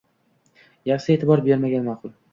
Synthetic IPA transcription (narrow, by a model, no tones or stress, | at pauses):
jaχsɪe̞t̪ʰɪbɒɾbe̞ɾmaɡʲanmɑqʰʊlˠ